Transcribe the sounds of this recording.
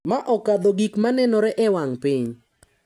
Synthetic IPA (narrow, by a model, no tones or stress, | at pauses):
maʔɔkad̪oɡikmanɛnɔɾɛʔɛwaŋpɪɲ